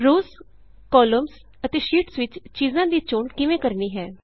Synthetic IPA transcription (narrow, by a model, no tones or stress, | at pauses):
ɾoːz | kɔːləms | ət̪eːʃiːʈsʋɪt͡ʃt͡ʃiːzãːd̪iːt͡ʃoːɳkɪʋẽːkəɾniːɦɛː